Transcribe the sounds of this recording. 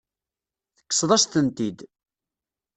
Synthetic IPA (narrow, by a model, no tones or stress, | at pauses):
θə̥kːə̥sˤðˤɑʃt̪ənt̪id̪